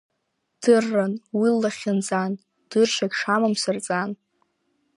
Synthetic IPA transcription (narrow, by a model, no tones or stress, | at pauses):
d̥ɨrːanwilaχʲɪnd͡zan | d̥ɨrʃaɡʲʂamamsɨrt͡sʼan